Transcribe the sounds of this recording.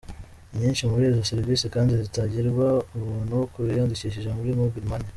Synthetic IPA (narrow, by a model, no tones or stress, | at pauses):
ɲiːnʃimuɾezaseɾvisikaːndizitaɟiɾɡwauβunhuwokuɾijanduciʃ̬iʒamuɾimubɡiɾmane